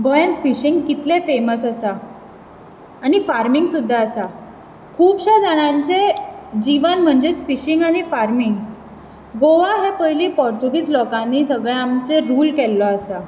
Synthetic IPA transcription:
ɡɔjə̃nt̪fiɕiŋɡkit̪lefeməsəsa | ɽ̃ifaɾmiŋɡsud̪ʱːaːsa | kʰuːpɕad͡zaɽ̃aɲt͡sed͡ʑiʋənm̤əɳd͡zet͡sfiɕiŋɡaɽ̃ifaɾmiŋɡ | ɡoʋaɦepəɦliːpɔɾt͡ɕuɡit͡slɔkãnːiːsəɡɭeamt͡seɾuːlkɛlːɔasa

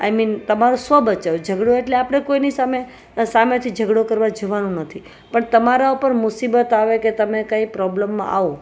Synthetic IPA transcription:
a̰jmint̪əmaɾosəbət͡ʃad͡ʒʱəɡɽoeʈleapəɽ̃ekoinisame | samat̪ʰid͡ʒʱəɡɽokəɾʋad͡ʒoʋanũnət̪ʰi | pəɳt̪əmaɾaupəɾmʊsibət̪aʋeket̪əmekaipɾɔbləmːã̰ʔa̰o

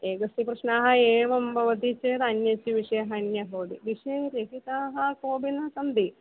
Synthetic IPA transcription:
eːɡɐsipɾɐʂnaːɦɐeːʋɐmbʱɐʋɐd̪it͡ɕeːɾɐnjɐsiʋiʂɐjɐɦɐnjɐɦoːɽiʋiʂɐɾeɦit̪aːɦɐkoːbinɐsɐnd̪i

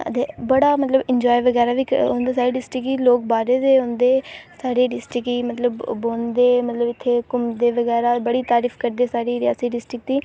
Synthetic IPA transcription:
ə̰t̪eːbəɽaːmət̪ləbɪɲd͡ʒɔːjʋəɡɛːɾaːʋiːkõːnd̪aːsaːɾeːɖɪsʈɾɪkiːloːkbaːɾeːd̪eːɦõːnd̪eːsaːɾeːɖɪsʈɪkiːmət̪ləbːoːnd̪eːmət̪ləbɪt̪ʰːeːkʊmd̪eːʋəɡɛːɾaːbəɽiːt̪aːɾiːfʰkəɾd̪eːsaːɾiːɾɪja̰ːsiːɖɪsʈɾɪk̚d̪iː

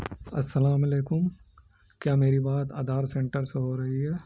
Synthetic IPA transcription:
ɐ̰sːɐlaːmɐleːkʊm | kjaːmeːɾibaːt̪a̰ːd̪ʱaːɾsẽɳʈəɾseɦoːɾɐɦiɦɛː

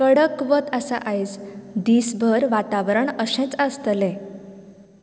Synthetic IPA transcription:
kəɽəkʋət̪əsa̰ʔajt͡sd̪iːsbʱəɾʋat̪aʋəɾəɳəsɛ̃t͡səst̪lẽ

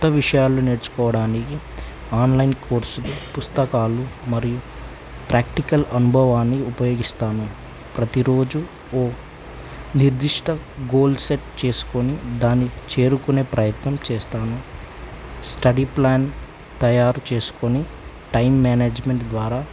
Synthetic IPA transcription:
t̪ːɐʋiʂɐjaːlːuneːɽut͡ʃu̥kɔːʋɐɽaːniki | aːnlɐjnko̞ːɾsulupust̪ɐkaːlumɐɾiju | pɾʔaːkʈikɐlɐnubʱɐʋaːnːiupɐjo̞ːɡist̪aːnu | pɾɐt̪iɾo̞ːd͡ʒu | oː | niɾd̪iʂʈɐɡoːlɖseʈt͡ʃe̞ːsu̥konid̪aːnːit͡ʃe̞ːɾukune̞ːpɾɐjɐt̪nɐmt͡ʃeːst̪aːnu | sʈɐɽiplaːn | t̪ɐjaːɾut͡ʃe̞ːsu̥koni | ʈɐjmːaːneːd͡ʒme̞ɳʈd̪ʋaːɾaː

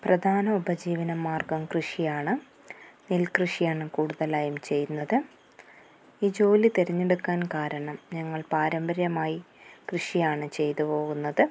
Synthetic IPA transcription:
prɐd̪ʱaːnɐubɐd͡ʑiːʋɐnɐmːaːrɡɐmkrɨʂijaːɳɨ | nilkrɨʂijaːɳɨkuːɽuðɐlaːjumt͡ɕe̞jtunːɐðɨ | iːd͡ʑo̞ːlit̪eɾɐɲːe̞ɽukːaːnkaːɾɐɳɐmɲɐŋːɐɭpaːɾɐmbɐɾjɐmaːji | krɨʂijaːɳɨt͡ɕe̞jt̪upo̞ːɣunːɐðɨ

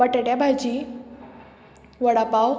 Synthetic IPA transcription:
əʈəɽjabʱad͡ʑiː | ʋəɽapaw

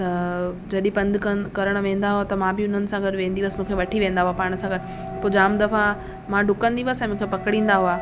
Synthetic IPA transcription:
t̪ɐ | d͡ʑɐɗĩpɐ̃nd̪ʱkɐkɐɾəɽ̃ʋẽːnd̪aɦuat̪ɐmãbɪʊn̤ənɪ̆sãɡɐʈʋẽːnd̪iʋəsmũːkʰeʋɐʈʰiʋẽːn̆d̪aɦuapaːɽ̃əsãɡɐʈɪ̆ | poːd͡ʑaːmd̪ɐfã | mãɖʱʊkə̃nd̪iʋəsɛ̃ːmũːkʰepɐkəɽ̃ĩːn̆d̪aɦuaː

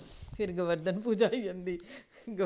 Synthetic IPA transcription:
pʰɪɾɡəʋəɾd̪ənpuːd͡ʒaːiːə̃nd̪iː | ɡə

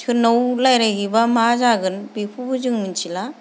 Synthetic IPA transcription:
tʰɯnɔwlajɾaɡibamazaɡɯnbipʰubɯzɯŋmint͡ʃʰila

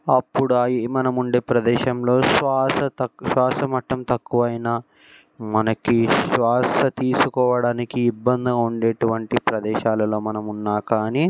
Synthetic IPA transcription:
ɐpːuɽuajimɐnɐmuɳɖeːpɾɐd̪ɛːʃɐmlo̞ːʃʋaːsɐt̪ɐʃʋaːsɐmɐʈːɐmt̪ɐkːuʋɐjnɐ | mɐnɐkiʃʋaːsɐt̪iːsukɔːʋɐɽaːnikiːbːɐnd̪ɐuɳɖeːʈuʋɐɳʈipɾɐd̪ɛːʃaːlɐlo̞ːmɐnɐmunːaːkaːniː

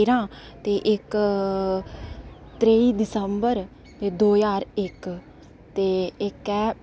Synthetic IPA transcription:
ɾãː | t̪eːʔɪk | t̪ɾeːiːd̪ɪsəmbəɾ | t̪eːd̪oːjaːɾɪk | t̪eːɪkɛː

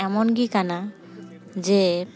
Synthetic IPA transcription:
ɛmɔnɡikana | d͡ʒe

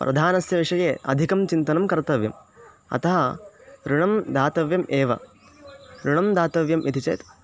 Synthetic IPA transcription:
pɾʔɐ̰d̪ʱaːnɐsjɐʋiʂɐjeːɐ̰d̪ʱikɐmt͡ʃint̪ɐnɐmkɐɾt̪ɐʋjɐm | ɐ̰t̪ɐɦɐɾuɳɐmd̪aːt̪ɐʋjɐmeːʋɐ̰ | ɾuɳɐmd̪aːt̪ɐʋjɐmʔit̪ʰit͡ʃɐ̰ːt̪

